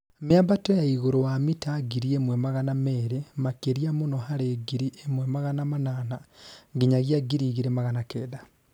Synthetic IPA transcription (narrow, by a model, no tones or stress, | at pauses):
meabatɔjaiɣoɾowamitaɡiɾiemwɛmaɣanamɛːɾemakeɾiamonɔhaɾeɡiɾiʔemwɛmaɣanamananaŋɡiɲaɣjaɡiɾiɣiɾemaɣanakɛːda